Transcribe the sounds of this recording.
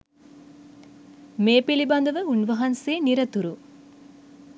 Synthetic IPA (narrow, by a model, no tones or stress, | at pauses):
meːpilibɐnd̪ɐʋɐuɳʋɐɦɐnseːniɾɐt̪uɾu